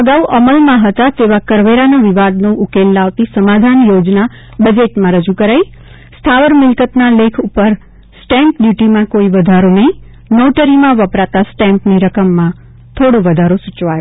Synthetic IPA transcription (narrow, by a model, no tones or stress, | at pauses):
əɡauʔəməlmãɦət̪at̪eʋakəɾʋeɾanaʋɪʋad̪nũukelːaʋt̪isəmad̪ʱanjod͡ʒna | bəd͡ʒeʈmãɾəd͡ʒukəɾai | st̪ʰaʋəɾmɪlkət̪nalekʰupəɾ | sʈɛ̃mpɖjuʈimãkoiʋəd̪ʱaɾonəɦĩ | noʈəɾimãʋəpɾat̪asʈɛ̃mpniɾəkəmːã | t̪ʰoɽoʋəd̪ʱaɾosʊt͡ʃʋajo